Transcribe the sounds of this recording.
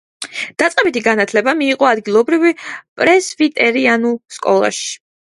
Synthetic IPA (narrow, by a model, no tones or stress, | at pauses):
d̪̥at̪sʼqʼɛbit̪ʰiɡanat̪ʰlɛbamiːqʼɔad̪ɡilˠɔbɾivipʼɾɛsvit̪ʼɛɾianulˠskʼɔ̰lˠa̰ʃi̥